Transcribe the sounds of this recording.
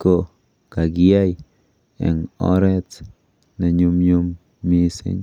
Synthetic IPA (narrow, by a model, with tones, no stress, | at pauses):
ko˨ | ka˨ɡja˦j | ḛ˨ŋo̰˦ɾe˦t͡s | na˨ɲu˧mɲu˦mː | i˦sḭ˦ɲ